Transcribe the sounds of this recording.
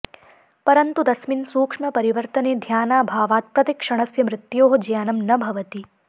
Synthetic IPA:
pɐɾənt̪ud̪ɐsminsuːkʂmɐpɐɾiʋəɾt̪ɐneːd̪ʱjaːnaːbʱaːʋaːt̪̚pɾɐt̪ikʃɐɽ̃ɐsjɐmɾɪt̪joːɦod͡ʒjaːnɐmnɐbʱɐʋɐt̪i

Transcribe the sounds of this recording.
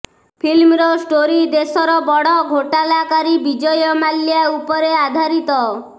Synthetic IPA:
pʰilmɾɔsʈoɾid̪esɔɾɔbɔɽɔɡʱoʈalakaɾibid͡ʒɔjɔmaljaupɔɾead̪ʱaɾit̪ɔ

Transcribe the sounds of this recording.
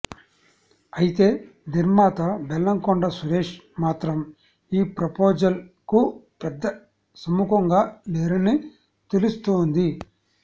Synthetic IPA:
ɐjit̪e̞ː | d̪iɾmaːt̪ɐbɛlːɐŋkɔɳɖɐsuɾeːʂ | maːt̪ɾɐm | iːpɾɐpoːd͡ʒɐl | ku | pɛd̪ːɐ | sɐmukɐŋɡaːleːɾɐni | t̪elust̪oːnd̪i

